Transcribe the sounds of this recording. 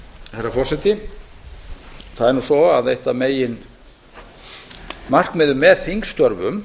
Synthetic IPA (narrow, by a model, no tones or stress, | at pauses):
hɛɾafɔrsɛt̪ɪ | θaðɛɾnuːsɔaðejht̪ameːjɪn | mar̥kmɛðʏmːɛðθiŋkst̪œɾvʏm